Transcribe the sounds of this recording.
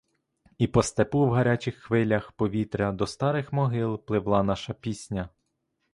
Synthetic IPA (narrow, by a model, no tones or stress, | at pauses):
ipɔst̪epuwɦɐɾʲat͡ʃʲɪxːʋɪlʲɐxpɔʋʲit̪ɾʲɐd̪ɔst̪ɑɾɪxmɔɦɪlˠplˠɪwlˠɑnɑʃɐpʲisʲnʲɐ